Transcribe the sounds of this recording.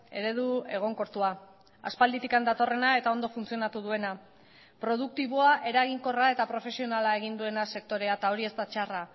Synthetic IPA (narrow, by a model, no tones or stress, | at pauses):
e̞ɾe̞ðue̞ɣ̞o̞ŋko̞ɾt̪ua | a̰spald̪it̪ikand̪at̪o̞re̞nae̞t̪ao̞nd̪o̞funt͡sio̞nat̪uðue̞na | pɾo̞ð̞uk̚t̪iβ̞oaʔe̞ɾaɣiŋko̞rae̞t̪apɾo̞fe̞sio̞nalae̞ɣ̞ind̪ue̞nase̞k̚t̪o̞ɾe̞at̪ao̞ɾie̞st̪at͡ʃara